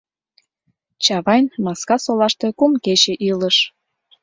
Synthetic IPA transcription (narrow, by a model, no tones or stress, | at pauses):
t͡ɕɑβɑjnmɑskɑsolɑʃt̪e̽kumket͡ɕeʔiləʃ